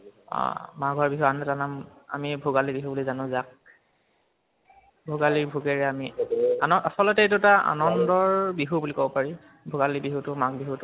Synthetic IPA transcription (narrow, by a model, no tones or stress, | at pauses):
ɔ̰maɡʱaɹbiɦuanɛtanama̰mibʱuɡalibiɦubulizanʊ̃zak̚ | bʱuɡalibʱuɡɛɹɛamianɔasɔlɔtɛetʊɛtaa̰nɔndɔɹbiɦubulikobɔpaɹi | bʱʊɡalibiɦutʊmakbiɦutʊ